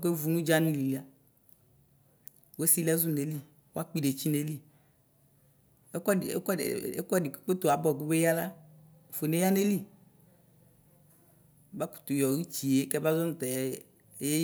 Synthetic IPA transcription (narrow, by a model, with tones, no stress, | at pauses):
ke˦vu˨nũ˦d͡ʒa˦nĩ˦li˨li˨a˨ | wo˦si˦lɛ˦zu˦ne˨˦li˦ | wo˦a˦k͡pi˦ɖe˨t͡ɕi˦ne˨li˦ | e˦kɔ˦˨ḛ˦kɔ˦e˨ḛ˦kɔ˦ɖi˨ku̥˦k͡pe˦t̪o˨a˨bɔ˨ɡu˦be˦ja˦la˦˨ | fo˨ne˦ja˦ne˦li˦ | ba˦ku̥˨t̪u˨jɔ˨wi˦t͡ɕi˨e˨˦kɛ˦ba˦zɔ˦nũ˦t̪ɛ˨˦ | je˦